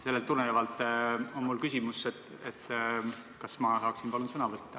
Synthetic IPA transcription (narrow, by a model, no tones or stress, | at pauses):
se̞lːet̪ːunːeɑvɑlt̪ːˑonmulkysʲimuset̪ːˑ | et̪ː | kɑsmɑsɑːksinpɑlunsɤnɑvɤt̪ːɑ